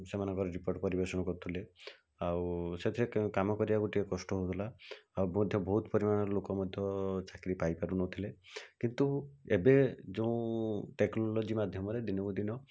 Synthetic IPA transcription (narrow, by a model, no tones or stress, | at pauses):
semanɔ̃ŋkɔɾɔɾipoɾʈpɔɾibesɔɽ̃ɔkɔɾut̪ʰile | awset̪ʰiɾekkamɔkɔɾibaɡoʈiekɔsʈɔɦot̪ʰilaawmɔd̪ʱjɔbɔɦut̪ɔpɔɾimanɔlokɔmɔd̪ʱjɔt͡ʃakɾipajpaɾunɔt̪ʰilekint̪uebed͡ʒoũʈeknɔlod͡ʒimad̪ʱjɔmɔɾed̪inɔɡud̪inɔ